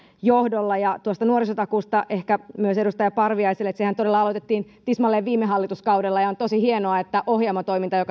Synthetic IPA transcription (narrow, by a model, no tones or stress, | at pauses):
johdolːɑjɑt̪uost̪ɑnuoɾisot̪ɑkuːst̪ɑʔehkæmyøsedust̪ɑjɑpɑrʋiɑiselːet̪sehænt̪ode̞lːɑɑlot̪et̪ːiːnt̪ismɑlːeːʋʋiːmːeɦɑlːit̪uskɑudelːɑjɑont̪osihienoɑet̪ːæʔohjɑmɑt̪o̞imint̪ɑjokɑ